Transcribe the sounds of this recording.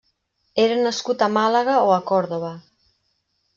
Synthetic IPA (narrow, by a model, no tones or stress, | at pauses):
eɾanaskut̪amalaɣaoakɔɾðoβa